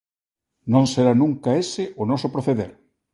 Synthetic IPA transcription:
nõŋseɾanũŋkaesɪʔʊnɔsopɾoθeðeɾ

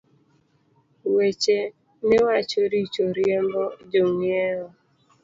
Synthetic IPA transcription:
wet͡ʃe | newat͡ʃoɾit͡ʃoɾjembɔd͡ʒoŋieɦɔ

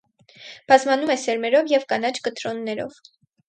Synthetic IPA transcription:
b̥ɑzmɑnumɛsɛɾmɛɾɔvjɛvkɑnɑt͡ʃʰkət̪ɾɔnːɛɾɔ̰v̥

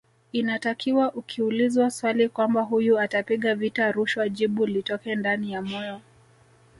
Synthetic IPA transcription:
inatakʰiwaʔukʰiulizwaswalikwambaɦujuatapiɠavitaɾuʃwaʄiɓulitɔkɛndanijamɔjɔ

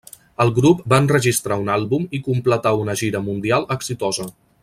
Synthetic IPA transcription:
əlˠɣɾup̚baənrəʒist̪ɾaunalˠβumikumplət̪aunəʒiɾəmund̪ialˠəksit̪ɔzə

